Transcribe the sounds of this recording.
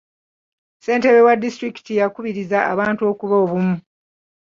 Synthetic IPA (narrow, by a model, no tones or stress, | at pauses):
se̞ːnteβewadːistɾiki̥tijakuβiɾizaʔa̰βaːntuo̞kuβoːβumu